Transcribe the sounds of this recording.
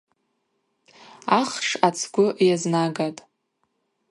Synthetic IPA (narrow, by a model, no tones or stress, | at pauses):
aχʂat͡sʰɡʷʊʔjaznaɡatʼ